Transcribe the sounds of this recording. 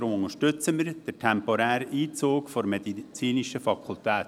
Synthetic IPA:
ɾʊmʊŋəʃtʏt͡səmɪɾd̥əɾtʰɛmpɔɾæːɾəʔiːt͡soːkfɔɾmɛd̪it͡siːniʃəfɑkʰult̪æːt

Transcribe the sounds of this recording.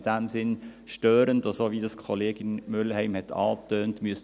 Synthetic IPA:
d̥æmsɪnʃtøːɾəndosoːʋidɑskʰoleːɡɪnmʏləhɛɪmhɛtʰɑ̰ːtøːntmyəs

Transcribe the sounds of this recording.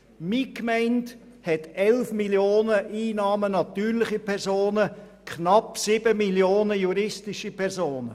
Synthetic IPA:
mikmɛɪnt | hɛtɛlfmiljoːnəʔiːnɑːmənɑt̪yːɾlɪχipʰɛɾsoːnə | kʰnɑpsɪb̥əmiljoːnəjuɾɪstɪʃipʰɛɾzoːnə

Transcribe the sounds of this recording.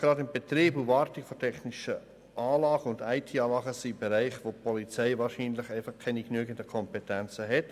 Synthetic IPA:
ɡ̥ɾɑdɪmb̥ɛt̪ɾiːbuvɑːɾtiɡ̥fɔtʰɛχniʃə | ʔɑːlɑːɡ̥əʊndaɪtʰiːɑːlɑːɡəsib̥ɛɾæɪχʋopʰɔlit͡sɛɪvɑːɾʃiːnlɪχæɪfɑχkʰɛniknyːɡəndəkʰɔmpɛtɛnt͡səɦɛt

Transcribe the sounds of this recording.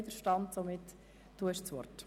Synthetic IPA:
d̪əɾʃtɑnt̪somɪtː | uɛʃsʋɔ̰rt

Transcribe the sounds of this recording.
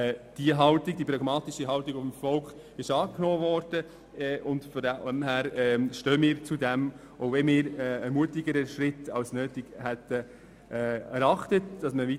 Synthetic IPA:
d̥iəɦɑltɪɡ̚dipɾɑɡmɑːtiʃiɦɑltiɡʊfmfɔlkχ | ɪʃɑːknɔːvɔːɾd̥ə | ʔʊntfɔɛmhæːɾɛʃtøːəmɪːɾt͡sudɛm | ʔoʊvɛmɪːɾɛəmuətɪɡəɾəʃɾɪtɑwsnøːtɪɡ̥hɛtːə | ʔːɛɾɑχtətd̥ɑsməʋi

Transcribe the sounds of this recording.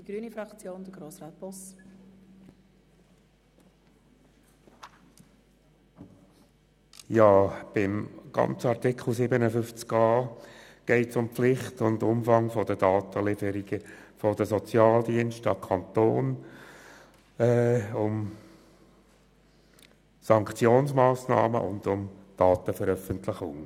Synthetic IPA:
d̥iɡ̥ɾyːnifɾɑkt͡sjoːnd̥̪əɡɾoːsrɑːt̚pɔs | jɑːb̥ɪmɡ̥ɑ̰nt͡səɑʁtɪkχl̩ˠsɪːbənəfʏft͡skɑːɡ̥ɛɪtsʊmpflɪχtʊndʊmfɑŋfɔd̥̪əd̥ɑːtəlɪfəɾiɡ̥əfɔdəsɔt͡sjɑːld̪iənʃtɑkʰɑnt̪oːn | ɛʊm | sɑŋkχt͡sjoːnsmɑːsnɑ̰ːmə̰ʔʊ̰nd̥̪ʊmd̥ɑːt̪əfəɾœfəntlɪχʊŋ

